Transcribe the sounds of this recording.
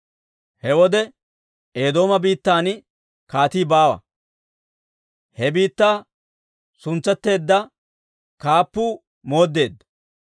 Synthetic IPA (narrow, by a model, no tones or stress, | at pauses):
hɛwɔd̪ɛ | eːd̪o̞ːmɐbiːt̪ːaːnɪ | kaːt̪iːbaːwɐ̰ | hɛbiːt̪ːaː | sʊnt͡sːɛt̪ːe̞ːd̪ːɐ | kaːpːuː | mo̞ːd̪ːe̞ːd̪ːɐ